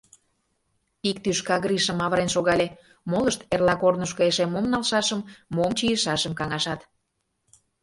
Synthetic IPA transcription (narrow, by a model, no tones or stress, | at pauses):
ikt̪yʃkɑɣɾiʃəmɑβəɾenʃoɣɑlʲe | moləʃt̪erlɑkornəʃkɤeʃemomnɑlʃɑʃəmːomt͡ɕijəʃɑʃəmkɑŋɑʃɑt̪